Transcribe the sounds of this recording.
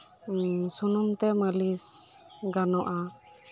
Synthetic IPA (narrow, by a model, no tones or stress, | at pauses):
sunɔmt̪ɛmalis | ɡanɔʔa